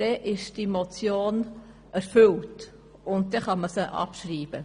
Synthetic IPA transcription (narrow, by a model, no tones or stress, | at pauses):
d̥ɛʔɪʃd̥imot͡sjoːn | æɾfʏlt | ʊnt̚dɛχɑməsəʔɑ̰pʃriːb̥ə